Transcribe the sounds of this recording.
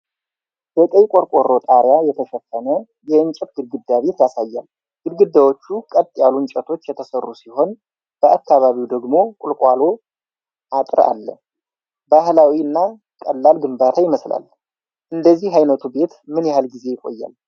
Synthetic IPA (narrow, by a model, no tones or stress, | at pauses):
bək̪ʼəjkʼoɾkʼo̞ro̞t̪ʼaɾjajɛt̪ʰəʃɛfːənə | jɛɨɲt͡ʃʼɛt̪̚ɡ̥ɨd̪̚ɡɨd̪ːaβe̞t̪jasajːal | ɡ̥ɨd̪ɡɨd̪ːawo̞t͡ʃːukʼət̪ʼːjaluɨnt͡ʃʼɛt̪ʰo̞t͡ʃːjɛt̪ʰəsərːusiho̞n | b̥əʔakʰːaβaβiwd̪əɡmo̞kʼʊlkʼwalo̞ | ʔat̪ʼɾa̰lːə̰ | bahlawiɨnːa | kʼəlːalɡɨmbat̪ʰajɪməsla̰l | ʔɨnd̪əzːihɦajnət̪ʰube̞t̪mɨnjɛhalɡize̞jɪkʼo̞̰jːa̰l